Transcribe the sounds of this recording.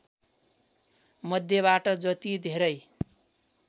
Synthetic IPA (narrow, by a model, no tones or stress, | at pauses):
mʌd̪ʱjʌβaʈʌd͡zʌt̪id̪ʱeɾʌj